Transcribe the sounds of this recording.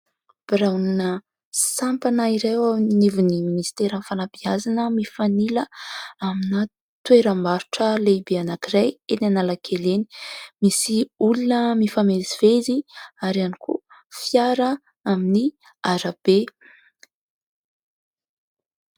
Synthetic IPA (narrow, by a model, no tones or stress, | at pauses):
b̥rawninə | sampanaiɾewainivuniminist̪eɾənfalabiazanəmifaniləaminə | t̪weɾəmaɾu̥ʈ͡ʂəlebeanakiɾajenanalakʰeleni̥misiulunəmifameziv̥eziaɾianikṵfjaɾə | amini | aɾab̥e